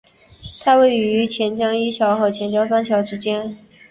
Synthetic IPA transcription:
t̪ʰa˥we˥˩ɪ˨y˧˥t͡ɕʰjɛ˧˥nt͡ɕjɑ˥ŋi˥t͡ɕʰjɑ˧˥ʊxɤ˧˥˩t͡ɕʰjɛ˧˥nt͡ɕjɑ˥ʊsa˥nt͡ɕʰjɑ˧˥ʊʈ͡ʂɻ̩˥t͡ɕjɛ˥n

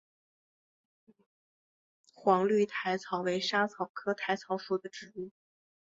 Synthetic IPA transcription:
xwɑ˧˥ŋly˥˩t̪ʰa˧˥ɪt͡sʰɑ˨˧˩ʊwe˧˥ɪʂa˥t͡sʰɑ˨˩ʊkʰɤ˥t̪ʰa˧˥ɪt͡sʰɑ˧˥ʊʂu˨˩d̪ə˦ʈ͡ʂɻ̩˨˩u˥˩

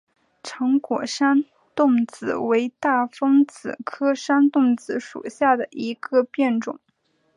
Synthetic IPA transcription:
ʈ͡ʂʰɤ˧˥ŋkwɔ˨˩ʂa˥n | t̪ʊ˥˩ŋt͡sɹ̩˨˩we˧˥ɪt̪a˥˩fɤ˥ŋt͡sɹ̩˨˩kʰɤ˥ʂa˥nt̪ʊ˥˩ŋt͡sɹ̩˧˥ʂṵ˨˩ɕja˥˩d̪ə˩ʔi˧˥ɡə˧pjɛ˥˩nʈ͡ʂʊ̰˨˩˦ŋ

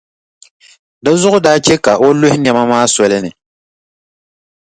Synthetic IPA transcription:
da˦zʊ˦ɣʊ˦daː˦t͡ʃɛ˦ka˨o˦lʊ˦hɪ˦nɛ˨ma˦maː˦sɔ˨lɨ˦nɨ˨

